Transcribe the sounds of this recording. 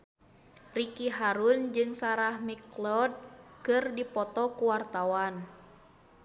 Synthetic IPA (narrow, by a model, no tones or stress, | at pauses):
rikiɦaɾund͡ʒɨŋsaɾahmiklɔd̚kɨrdipɔt̪ɔkuwart̪awan